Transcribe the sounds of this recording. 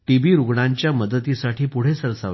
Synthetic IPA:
ʈibiːɾuɡɳaɲt͡ɕjaməd̪ət̪isaʈʰiːpuɽ̤esəɾsaʋ

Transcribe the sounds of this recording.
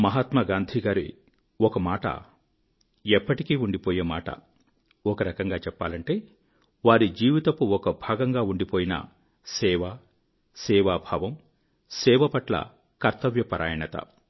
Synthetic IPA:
mɐɦat̪mɐɡaːnd̪ʱiɡaːɾḭ | ɔkɐmaːʈɐ̰ | ɛpːɐʈikiːuɳɖipoːjeːmaːʈɐ̰ | ɔkɐɾɐkɐŋɡaːt͡ʃɛpːa̰ːlɐɳʈe̞ː | ʋaːɾid͡ʒiːʋit̪ɐpuɔkɐbʱaːɡɐŋɡaːuɳɖipoːjinɐ̰ | sɛːʋa | sɛːʋaːbʱaːʋɐm | sɛːʋɐpɐʈlɐ̰ | kɐɾt̪ɐʋjɐpɐɾʔaːjɐnɐt̪ɐ̰

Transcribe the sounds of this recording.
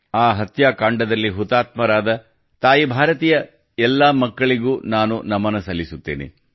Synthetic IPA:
aːɦɐt̪jaːkaːɳɖɐd̪ɐlːiɦut̪aːt̪mɐɾaːd̪ɐ | t̪aːjibʱaːɾɐt̪iːjɐ | ɛlːaːmɐkːɐɭiɡuːnaːnunɐmːɐnɐsɐlːisut̪ːeːnḛ

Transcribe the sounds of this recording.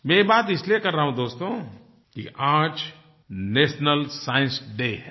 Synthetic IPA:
mɛ̃baːt̪ɪsliekɐɾːɐɦũd̪oːst̪õ | kḭʔãːd͡ʒ | neːʃnəlsaːɪ̃nsɖeːɦɛ̃

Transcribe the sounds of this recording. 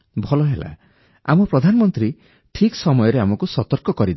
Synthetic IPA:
bʱɔlɔɦela̰ | a̰mɔpɾɔd̪ʱanɔmɔnt̪ɾi | ʈʰiksɔmɔjɔɾeamɔkusɔt̪ɔɾkɔkɔɾid̪

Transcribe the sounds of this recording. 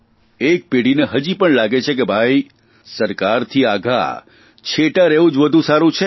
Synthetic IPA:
ek̚peɽineɦəd͡ʒipəɳlaɡet͡ʃʰek̬ebʱai | səɾkaɾt̪ʰiaɡʱa̰ | t͡ʃʰeʈaɾeũd͡ʒʋəd̪ʱũsaɾũt͡ʃʰe

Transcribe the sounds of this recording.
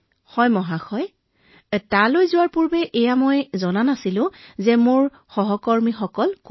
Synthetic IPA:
xɔjmɔɦaxɔj | talojzʊwaɹpuɹbɛʔɛjamojzɔnanasilʊ̃zɛmʊɹ | xɔɦɔkɔɹmixɔkɔlk

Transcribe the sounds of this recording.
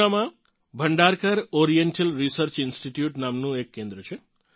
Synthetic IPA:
amã | bʱəɳɖaɾkəɾɔɾijeɳʈəlɾisəɾt͡ʃɪnsʈiʈjuʈnamnũekːẽnd̪ɾət͡ʃʰe

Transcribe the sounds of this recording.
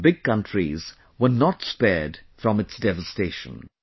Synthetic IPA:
bɪɡ̚kʌ̃ntʰɹḭz | wənɔtspɛɹdfɹɔ̃mɨtsdɛvəsteʃə̰̃n

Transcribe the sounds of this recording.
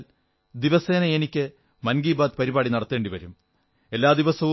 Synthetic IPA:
l | d̪iʋɐse̞ːnɐenikʲːɨ | mɐnɡiːbaːd̪̚pɐɾibaːɽinɐɽɐt̪ːe̞ːɳɖiʋɐɾum | e̞lːaːd̪iʋɐsɐʋu

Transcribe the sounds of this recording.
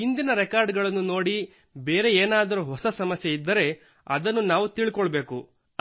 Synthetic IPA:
ind̪inɐɾekaːɾɖɡɐɭɐnːuno̞ːɽi | beːɾe̞eːnaːd̪ɐɾuɦɔsɐsɐmɐsjeid̪ːɐɾe̞ | ɐ̰d̪ɐnːunaːʋut̪iːɭikɔɭɐbe̞ːku

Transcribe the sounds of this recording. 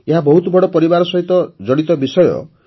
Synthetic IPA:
eɦabɔɦut̪ɔbʱɔɽɔpɔɾibaɾɔsɔɦit̪ɔd͡ʒɔɽ̃it̪ɔbisɔjɔ̰

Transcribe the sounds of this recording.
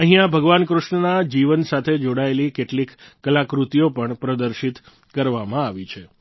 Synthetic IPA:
əɦĩabʱəɡʋankɾʊʃɳənad͡ʒiʋənsat̪ʰed͡ʒoɽaelikeʈlikːəlakɾut̪ijopəɳpɾəd̪əɾʃit̪ | kəɾʋamãaʋit͡ʃʰe

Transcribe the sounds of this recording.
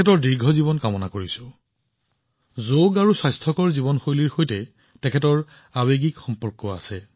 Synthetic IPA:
ɛtɔɹdiɹɡʱɔzibɔnkamɔnakoɹisʊ | zoɡaɹusajstʰɔkɔɹzibɔnxojliɹxojtɛ | tɛkʰɛtɔɹ | abeɡikxɔmpɔɹkɔa̰sɛ

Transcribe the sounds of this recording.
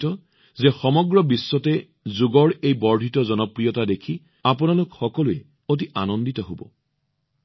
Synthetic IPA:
tɔ | zɛxɔmɔɡɹɔbisːɔtɛ | zuɡɔɹejbɔɹdʱitɔzɔnɔpɹijɔtadekʰi | apʊnalʊkxɔkɔlʊɛ | ot̬iʔanɔnditɔɦobɔ̰

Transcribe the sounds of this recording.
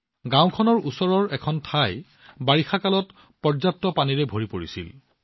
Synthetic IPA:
ɡãwkʰɔnɔɹusɔɹɔɹɛkʰɔntʰaj | baɹixakalɔt | pɔɹzap̚tːɔpaniɹɛbʱoɹipoɹisḭl

